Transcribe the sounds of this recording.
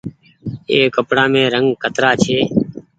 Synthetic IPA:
eːkəpɽaːmẽːɾəŋɡkət̪ɾaːt͡ʃʰeː

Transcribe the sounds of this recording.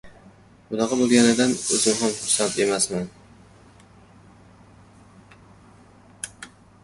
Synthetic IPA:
bʊnɑʁɑbolˠɡʲanɪd̪anɵzɪmɦamχʊɾsant̪e̞masman

